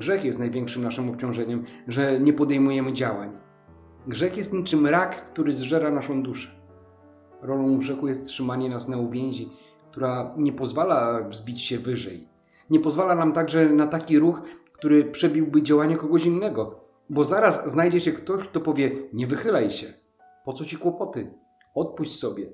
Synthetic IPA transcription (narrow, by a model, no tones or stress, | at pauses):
ɡʐɛxjɛst̪najvʲjɛŋkʂɘmnaʂɘmɔp̚t͡ɕɔ̃w̃ʐɛɲɛmʐɛɲɛpɔd̪ɛjmujɛmɘd͡ʑawaɲ | ɡʐɛxjɛst̪ɲit͡ʂɘmɾakːt̪uɾɘzʐɛɾanaʂɔ̃w̃d̪uʂɛ̥ | ɾɔlɔ̃w̃ɡʐɛxujɛst̪tʂɘmaɲɛnasnauvʲjɛɲ̃ʑi | kt̪uɾaɲɛpɔzvalavzbʲit͡ɕɕɛvɘʐɛj | ɲɛpɔzvalanamt̪aɡʐɛnat̪akʲiɾuxkt̪uɾɘpʂɛbʲiwbɘd͡ʑawaɲakɔɡɔɕinːɛɡɔ | bɔzaɾasznajd͡ʑɛɕɛkt̪ɔɕk̚t̪ɔpɔvʲjɛɲɛvɘxɘlajɕɛ | pɔt̪sɔt͡ɕikwɔpɔt̪ɘ | ɔt̪̚puɕt͡ɕssɔbʲjɛ